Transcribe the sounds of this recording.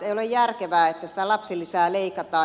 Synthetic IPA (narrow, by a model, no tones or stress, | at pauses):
eiolejjærkeʋæːet̪ːæsi̥t̪ælɑpsilːisæːleikɑt̪ɑː